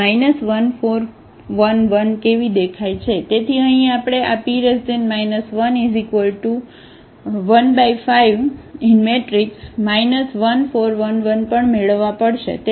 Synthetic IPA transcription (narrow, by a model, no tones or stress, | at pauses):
ajnəsʋənfoɾ | ʋənʋənkeʋid̪ekʰajt͡ʃʰet̪et̪ʰiəɦĩapɽ̃eʔapiɾəsd̪enmajnəsʋənizikʋəlʈu | ʋənbajfaiʋinmeʈɾiksmainəsʋənfoɾʋənʋənpəɳmeɭəʋːãpəɽʃḛt̪